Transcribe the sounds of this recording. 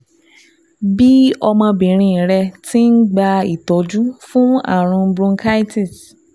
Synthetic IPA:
bi˦ɔ˧mɔ̃˧bĩ˨ɾ̃ĩ˧˨ɾɛ˧ti˦n̩˦ɡ͡ba˧ḭ˨tɔ˨˦d͡ʒu˦fũ˦a̰˦˨ɾ̃ũ˧bɾũ˧ŋka˦jti˨t

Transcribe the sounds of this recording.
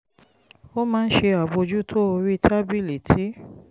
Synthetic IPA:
o˦mãː˦n̩˦ʃe˧a˨bo˧d͡ʒu˦tʰo˦o˧ɾi˦˧tʰa˦bi˦˨le˨tʰi˦

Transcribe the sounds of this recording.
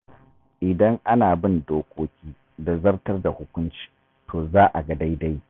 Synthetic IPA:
ʔɪ˨dɐ˦ŋʔa˦naː˨bɪ˦ndoː˦kʷoː˦kʲiː˦ | da˨zɐ˦rtɐ˦rda˨hʊ˦kʷʊ˦nt͡ʃi̥ː˨ | tʰoː˨zaː˦ʔa˨ɡɐ˨da˦jda˦j

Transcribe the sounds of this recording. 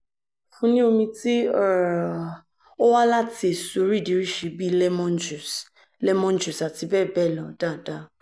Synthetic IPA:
fũ˦nĩ˦o˧mĩ˧ti˦ɔ˦˨a˨ | ɔ˦wa˦la˦ti˧e˨so˨˦ɾi˦˨di˨˦ɾi˦˨ʃe˨˧bi˦lɛ˦mɔ̃˦d͡ʒu˨s | lɛ˦mɔ̃˦n˦d͡ʒu˨sa˨ti˧bɛ˦˨bɛ˦˨lɔ˨da˦˨da˧

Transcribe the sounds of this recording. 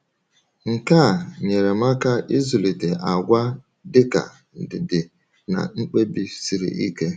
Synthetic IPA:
ŋ̩˨ka˦˨ɲe˨ɾe˨ma˦ka˦ʔi˦zu˨li˨te˨ʔa˨ɡʷa˦ | dɪ˦ka̰˨ | n̩˨dɪ˨dɪ˨ | na̰˨ŋ͡m̩˦k͡pe˦bi˦si˨ɾḭ˨ʔi˦ke˦

